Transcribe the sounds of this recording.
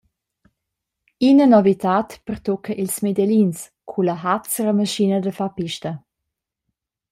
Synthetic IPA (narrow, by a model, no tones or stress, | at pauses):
inənɔvitaːtpərtɔkʰəʔilsmedɛlins | kʰuləɦat͡səɾəməʃinədəfapiʃtə